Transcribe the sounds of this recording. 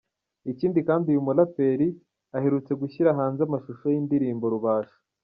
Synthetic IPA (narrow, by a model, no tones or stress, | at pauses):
iciːndikaːndiujumulape̞ɾi | ahe̞ɾut͡se̞ɡuçiɾaɦaːnzamaʃuʃojindiɾiːmbo̞ɾuβaːʃḁ